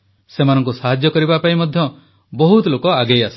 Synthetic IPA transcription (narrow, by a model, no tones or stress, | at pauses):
semanɔŋk̬usaɦad͡ʒjɔkɔɾibapaimɔd̪ʱjɔ | bɔɦut̪ɔlokɔaɡejasɔ̥